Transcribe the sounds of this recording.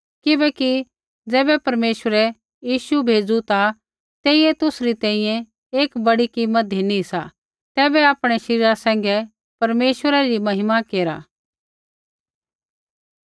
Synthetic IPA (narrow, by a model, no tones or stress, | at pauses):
kɪbɛːki | d͡zɛːbɛpɐɾmeːʃwəɾɛ | jiːʃubʱeːd͡zut̪a | t̪eːiet̪ʊsɾit̪ɛ̃ːĩjɛ̃ | eːkbɐɽikimːət̪̚inisa̰ | t̪ɛːbɛaːpɽ̃ɛʃɐɾiːɾasɛ̃ːŋɡɛ | pɐɾmeːʃʋəɾaɾimɐɦɪmakeːɾa̰ː